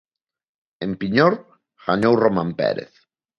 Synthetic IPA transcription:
empiɲoɾ | ɣ̥aɲowromãmpɛ̰ɾḛθ

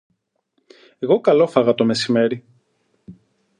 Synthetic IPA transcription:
e̞ɣo̞kɐlo̞fɐɣɐt̪o̞me̞sime̞ɾi

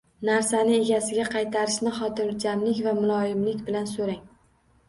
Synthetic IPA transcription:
naɾsanɪe̞ɡʲasɪɡʲaqʰɑjt̪ʰaɾɪʃnɪχɒt̪ʰɪnd͡ʒamlɪkʲvamʊlˠɒjɪmlɪkʲbɪlansoɾaŋ

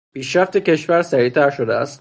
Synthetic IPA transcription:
piːʃɾæft̪ʰecʰe̞ʃvæɾsæɾiːt̪ʰæɾʃod̪eæst̪

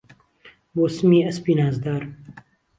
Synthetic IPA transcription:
boːsɨmiːɐspiːnaːzd̪aːɾ

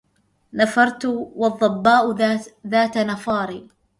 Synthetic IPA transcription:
nafɑɾˤt̪wɑðˤːɑbːaːʔðaːt̪anafɑːɾiː

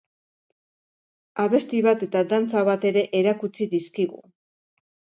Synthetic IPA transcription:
aβe̞st̪iβat̪e̞t̪ad̪ant͡saβat̪e̞ɾe̞ʔeɾakut͡siðiskiɣṵ

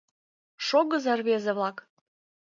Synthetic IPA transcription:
ʃoɣəzɑrβezeβlɑk

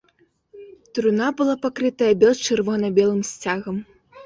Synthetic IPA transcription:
t̪ɾunabɨlˠapakɾɨt̪ɐjɐbʲɛlˠt͡ʂɨrvɔnɐbʲɛlˠɨmsʲt͡sʲaɣɐm

